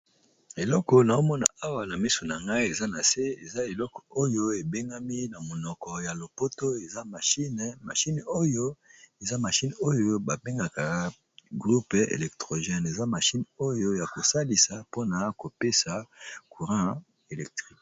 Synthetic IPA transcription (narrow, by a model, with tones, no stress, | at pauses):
e˨lɔ˦kɔ˨na˨o˦mɔ˦na̰˨a˦wa˨na˨mi˦so˨na˨ŋɡa˦i˦e˨za˦na˨se˦ḛ˨za˦e˨lɔ˦kɔ̥˨o˦jo˦e˨be˦ŋɡa˦mi˦na˨mo˨nɔ˨kɔ˨ja˨lo˨po˦to˦e˨za˦ma˨ʃi˦nma̰˨ʃi˦no˦jo˦e˨za˦ma˨ʃi˦no˦jo˦ba˨be˦ŋɡa˨ka˨˦ | ɡʁu˦pḛ˨lɛ˨ktʁo˨ʒɛ˦ne˨za˦ma˨ʃi˦no˦jo˦ja˨ko˨sa˦li˨sa˨po˦na˨ko˨pe˦sa˨ku˨ʁã˦ | e˨lɛ˨k̚tʁi˦k